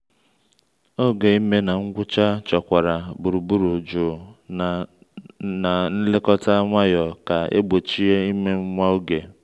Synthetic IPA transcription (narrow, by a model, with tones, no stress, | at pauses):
o˦ɡe˨i˦me˦na˨ŋ̩˦ɡʷʊ˦t͡ʃa˦t͡ʃɔ˨kʷa˨ɾa˨bu˨ɾu˨bu˦ɾu˨d͡ʒʊ˨ | na˨n̩˦lɪ˦kɔ˦ta˦ŋʷa˦jɔ˨ka˨ḛ˦ɡ͡bo˨t͡ʃi˦e˦i˦me˦ŋ̩˦ŋʷa˦o˦ɡe˨